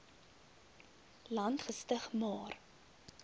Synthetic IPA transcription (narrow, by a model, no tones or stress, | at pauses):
lɐntχəstəχmɑːr